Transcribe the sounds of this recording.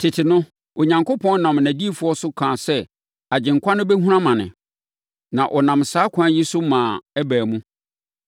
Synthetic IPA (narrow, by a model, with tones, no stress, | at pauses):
tʰɪ˨tʰɪ˨nʊ̃˦ | o˨ɲã˨ŋko˦pʰɔ̃˦n˦nã˨mnæ̃˨di˦e˦fʊ˨˦ɔ˦sʊ˦kʰãː˨sɛ˦ | a˨d͡ʑɪ̃˨ŋ˨kʷʰa˦nʊ̃˦bɛ˦ɦũ˦ɾã˦mã˨nɪ̰̃˨ | nã˨ʔɔ˨nã˨msaː˦kʷʰã˦ji˦sʊ˦mãː˨æ˦bæː˨mũ˦